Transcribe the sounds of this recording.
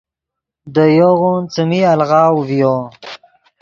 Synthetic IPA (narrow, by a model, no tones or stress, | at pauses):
d̪əjoɣont͡səmialɣɑːwvijo